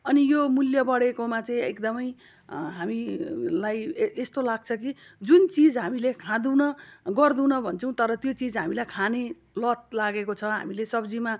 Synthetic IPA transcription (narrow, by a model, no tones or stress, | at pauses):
ʌnijomuljʌbʌɽekomãt͡saĩekd̪ʌmʌj | ɦamilajest̪olaɡ̚t͡sʰʌki | d͡zunt͡sid͡zɦamilekʰãd̪unʌɡʌrd̪ũnʌbʱʌnt͡sʰʌ̃w̃t̪ʌɾʌt̪jot͡sid͡zɦamilajkʰane | lʌt̪̚laɡekot͡sʰʌɦa̰milesʌbd͡zima